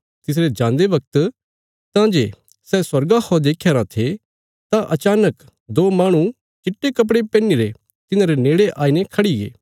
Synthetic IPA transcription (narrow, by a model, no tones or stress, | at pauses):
t̪ɪs̬ɾed͡ʒãːnd̪eʋɐk̚t̪ | t̪ãd͡ʒḛː | sɛːswɐɾɡahɔd̪eːkʰːjaːɾãt̪ʰe | t̪ãʔɐt͡ʃaːnək | d̪oːmaːɽ̃ũ | t͡ʃɪʈːekɐp̬ɽepɛ̃ːniɾe | t̪ɪnãːɾeneːɽeʔaːinekʰɐɽiɡḛː